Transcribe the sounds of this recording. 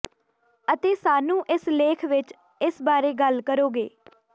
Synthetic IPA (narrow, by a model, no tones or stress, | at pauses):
ət̪eːsaːnũːʔɪsleːkʰʋɪt͡ʃ | ɪsbaːɾeːɡəlkəɾoːɡḛː